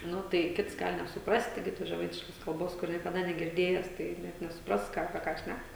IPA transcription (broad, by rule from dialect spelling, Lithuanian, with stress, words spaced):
ˈnʊ ˈtɐɪ ˈkʲɪts ˈɡɐlˠ nʲɛsʊˈprɑːsʲtʲɪ ˈɡʲɪ toːs ʒʲɛˈmɐɪtʲɪʃkoːs kɐlˠˈboːs ˈkʊr nʲiɛkɐˈdɐ nʲɛɡʲɪrʲˈdʲeːjɛs tɐɪ ˈnʲɛ nʲɛsʊˈprɐs ˈkɑː ɐpʲiɛ ˈkɑː ˈʃʲnʲæk